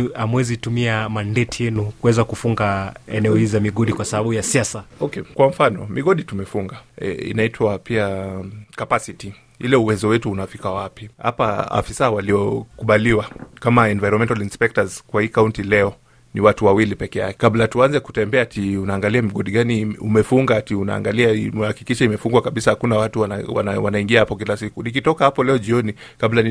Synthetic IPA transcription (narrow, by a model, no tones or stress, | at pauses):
amwɛzitumiamandɛtiɛnukuwɛzakufuŋɡaɛ̰nɛɔhizizamiɠɔɗikwasaɓaɓujasiasaɔkɛkwam̩fanɔ̰miɠɔɗitumɛfuŋɡa̰ḭnaitʰwapiakapasiti | ilɛuwɛzɔwɛtuːnafikawapiha̰paa̰fisawaliɔkuɓaliwakamaɛnvajɾɔmɛntalinspɛk̚tazkwahiːkauntilɛɔ | niwatuwawilipɛkɛjakɛ̥kablatuanzɛku̥tɛmbɛatiunaːŋɡaliamiɠɔɗiɠaniṵmɛfuŋɡatiuna̰ŋɡaliamɛhaki̥kiʃaimɛfuŋɡwakaɓisahakunawatuawa̰nwa̰naiŋɡiahapɔkilasikunik̬itɔkahapɔlɛɔʄiɔni | kabla